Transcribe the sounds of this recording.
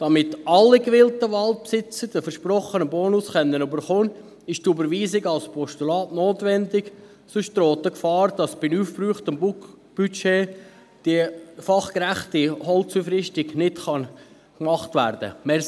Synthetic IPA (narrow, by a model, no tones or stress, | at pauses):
d̥ɑmɪtɑlːikʋɪltəʋɑltpsɪt͡səd̥əfəɾʃprɔχənəboːnʊsχɛnːənybəɾχoːn | ɪʃtubəɾʋiːsɪɡɑlspʰɔʃtulɑːtnoːtʋɛndɪɡ | sʊʃt̪roːtəkfɑːɾd̥ɑsb̥ɪnuːfbryːχtəmbu | b̥yt͡ʃeː | d̥ifɑχkɾæχtihɔlt͡sufɾɪʃtɪɡnɪtχɑn | kmɑχtʋæ̰ɾdə̰mɛ